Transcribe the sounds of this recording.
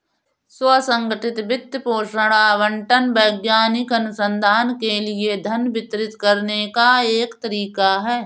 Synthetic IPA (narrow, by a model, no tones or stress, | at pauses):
swəsə̃ŋɡəʈɪt̪bɪt̪ːpoːʃəɽ̃aːʋə̃ɳʈənbəːɡjaːnɪkɐnʊsə̃nd̪ʱaːnkelied̪ʱɐnbɪt̪ɾɪt̪kɐɾnekaeːkt̪əɾiːkaɦɛː